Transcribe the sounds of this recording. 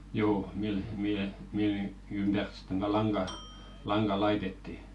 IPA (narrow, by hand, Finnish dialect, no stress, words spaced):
juː mil mihe mil ni ympær si̥tˑen tætæ lɑŋɡ̊ɑ lɑŋɡ̊ɑ lɑitetːi